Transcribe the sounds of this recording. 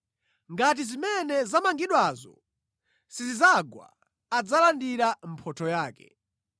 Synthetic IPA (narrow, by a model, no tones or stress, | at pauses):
ŋɡat̬izimɛnɛzamaŋɡiɗwazɔ̰ | sizizaɡwa̰ː | d͡zalandiɾam̩pʰɔtʰɔjaːkɛ